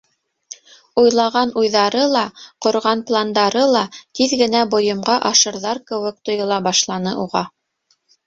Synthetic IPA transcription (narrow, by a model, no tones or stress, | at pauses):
ujlˠɑʁɑnujðɑɾɤlˠɑqŏɾʁɑnplˠand̪ɑɾɤlˠɑt̪iðɡɘ̆næbŏjɤ̆mʁɑʔɑʃɤ̆ɾðɑɾkɘ̆wɘ̆k̚t̪ŏjɤ̆lˠɑbɑʃlˠɑnɤʔuʁɑ